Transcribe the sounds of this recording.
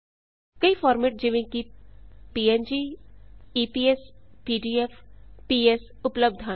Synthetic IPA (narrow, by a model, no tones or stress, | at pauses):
kɐifɔːɾmeːʈ̚d͡ʒɪʋẽkipiːend͡ʒiː | iːpiːespiːɖiːefpiːes | ʊpləb̚d̪ʱa